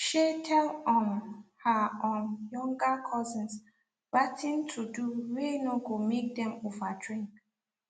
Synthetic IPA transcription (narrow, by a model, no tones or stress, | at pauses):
ʃetʰɛlɔ̃nhaɔ̃njɔ̃ŋɡakʰɔzĩns | ɹatʰĩntʰuduwenoɡomek̚dɛ̃movadɹĩŋk